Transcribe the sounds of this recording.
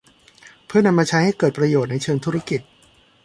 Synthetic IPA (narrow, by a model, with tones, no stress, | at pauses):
pʰɯ˥˩ɐna˧mːaː˧t͡ɕʰa˦˥jha˥˩jkɤː˨˩t̪̚pɾa˧joː˨˩t̪̚na˧jt͡ɕʰɤː˧ŋt̪ʰu˦˥ɾa˦˥ki˨˩t̪̚